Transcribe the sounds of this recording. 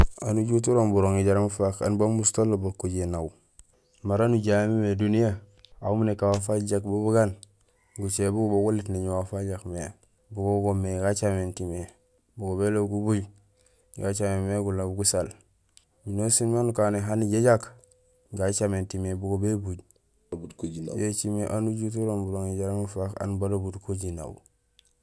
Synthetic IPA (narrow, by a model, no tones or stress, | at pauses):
anuɟut̬uɾombuɾoŋiɟaɾamfaka̰nbamustolːobakːuɟenawu | maɾanuɟamimedunija | auminekawafaɟakbubuɡan | ɡut͡ʃebuɡboɡulitniɲwafaɟakme | buɡoɡomeɡat͡ʃamentime | buɡobeloɡubuɟ | ɡat͡ʃamemeɡulabuɡusal | minosinmanukaneɦaniɟed͡ʒak | ɡat͡ʃamentimebuɡobebuɟ | budkod͡ʒin̰jet͡ʃimeʔanud͡ʒut̬uɾonbudoŋid͡ʒaɾaŋufaka̰nbadobudkod͡ʒina̰b